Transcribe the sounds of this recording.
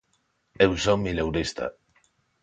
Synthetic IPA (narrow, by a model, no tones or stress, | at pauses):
ewsomilewɾist̪a̰